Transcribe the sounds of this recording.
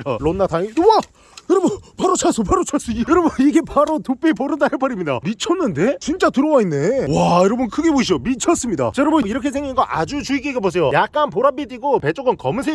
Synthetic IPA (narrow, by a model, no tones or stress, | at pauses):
aɭonːatʰaŋiwa | jʌɾʌbʌnpaɾot͡ɕʰaɭs͈opaɾot͡ɕʰaɭs͈oijʌɾʌbuniɡe̞paɾotop͈ipoɾɯndaeɭp͈aɾimɲida̰mit͡ɕʰʌnːɯnde̞t͡ɕint͡ɕ͈atɯɾʌwainːe̞wajʌɾʌbʌnkʰɯɡe̞boɕʰid͡ʑomit͡ɕʰʌs͈ɯmɲida̰t͡ɕʌɾʌbɯiɾʌkʰe̞sʰe̞ŋɡinɡʌʔad͡ʑut͡ɕuik͈eɡebos̬ʰe̞jojak̚k͈anpoɾap͈idiɡope̞t͡ɕ͈oɡɯnkʌmɯsʰe